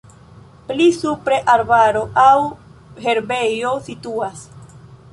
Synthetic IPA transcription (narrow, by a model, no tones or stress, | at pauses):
plisupɾeʔaɾbaɾoʔawheɾbejosit̪uas